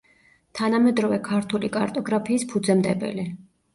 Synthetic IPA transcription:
t̪ʰanamɛd̪ɾɔvɛkʰaɾt̪ʰulikʼaɾt̪ʼɔɡɾapʰiːspʰud̪zɛmd̪ɛbɛ̰li

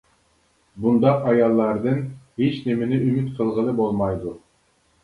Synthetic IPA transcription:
bund̪ɑqɑjɑlˠːɑɾd̪ɨnhet͡ʃneminɪymyt̪qʰɨlˠʁɨ̆lˠɯbolˠmɑjd̪u

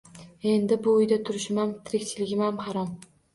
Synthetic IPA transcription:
e̞nd̪ɪbʊːjd̪at̪ʰʊɾɪʃɪmamt̪ʰɪɾɪkʲt͡ʃʰɪlɪɡʲɪmamhɑɾɒm

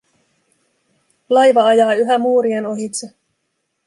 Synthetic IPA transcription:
lɑjʋɑɑjɑːyɦæmuːɾieno̞ɦit̪se

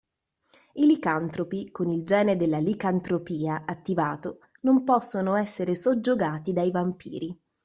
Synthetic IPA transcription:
ilikant̪ɾopikonild͡ʒɛːned̪elːalikant̪ɾopiːaʔat̪ːivaːt̪o | nompɔsːonoɛsːeɾesod͡ʒːoɡaːt̪id̪ajvampḭːɾi

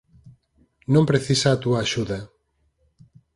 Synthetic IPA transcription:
nõmpɾeθisaːt̪uaːʃuðɐ

